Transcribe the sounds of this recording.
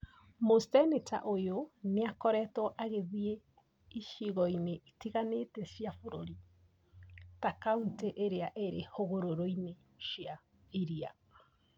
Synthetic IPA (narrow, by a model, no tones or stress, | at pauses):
mostɛneta̰ʔojoneakɔɾɛtɔʔaɣeðie | iʃiɣɔineʔitiɣanetɛsjafoɾoɾi | takaunteʔeɾeaʔeɾehoɣoɾoɾoine | ʃja | iɾia̰